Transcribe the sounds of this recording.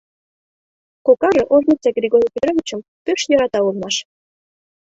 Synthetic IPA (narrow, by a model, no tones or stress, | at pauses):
kokɑɾɤ̆ʔoʒnʲit͡sɑɡrʲeɡoɾʲipʲet̪ɾovʲit͡ɕə̆mpøʃjɤɾɑt̪ɑulˠmɑʃ